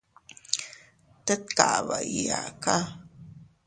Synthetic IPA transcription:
t̪ə˦t̪̚ka˨βa˨ʔija̰˨ka˦

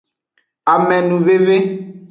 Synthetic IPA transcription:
a˨mɛ̃˨nũ˨ve˦ve˦

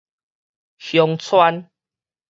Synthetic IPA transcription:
hjɔ˧ŋt͡sʰwa˦n

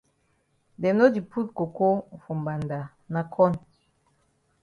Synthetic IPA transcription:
dɛ˨m˦no˦di˨pʰu˦lko˨ko˦˨fo˨mba˨nda˨ | na˨kʰɔ˦n

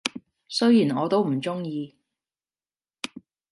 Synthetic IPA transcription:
sɵ˥ɥjiː˨˩nɔː˨˧t̪o˥wm̩˨˩t͡sʊ˥ŋjiː˧

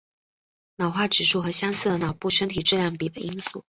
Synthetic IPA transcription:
nɑ˨˩ʊxwa˥˩ʈ͡ʂɻ̩˨˩ʂu˥˩xɤ˧˥ɕjɑ˥ŋsɹ̩˥˩d̪ə˩nɑ˨˩ʊpu˥˩ʂə˥nt̪ʰi˨˩ʈ͡ʂɻ̩˥˧ljɑ˥˩ŋpi˨˩d̪ə˦i˥ŋsṵ˥˩

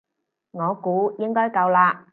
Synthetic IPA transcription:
ŋɔː˨˧kuː˨˥jɪ˥ŋkɔː˥jkɐ˧wlaː˧

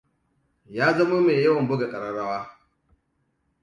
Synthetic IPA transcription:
jaː˦zɐ˦ma˦meː˨jɐ˦wɐ˨mbʊ˦ɡa˨kʼɐ˨ɾɐ˦ɽa˦waː˦

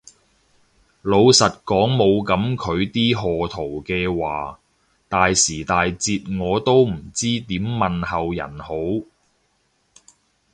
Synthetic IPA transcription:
lo˨˧wsɐ˨t̚kɔː˨˥ŋmo˨˧wkɐ˨˥mkʰɵ˨˧ɥt̪iː˥ɦɔː˨t̪ʰo˨˩wkɛː˧waː˨ | t̪aː˨jsiː˨˩t̪aː˨jt͡siː˧t̚ŋɔː˨˧t̪o˥wm̩˨˩t͡siː˥t̪iː˨˥mːɐ˨nhɐ˨wjɐ̰˨˩nho˨˥w

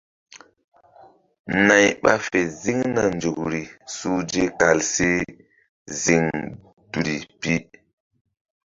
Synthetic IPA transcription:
na˨jɓa̰˦fe˨zi˦ŋna˨nd͡ʒo˨kɾi˨suː˦d͡ʒe˦ka˨lse˦ | zi˦ŋ | du˨ɾi˨pi˦

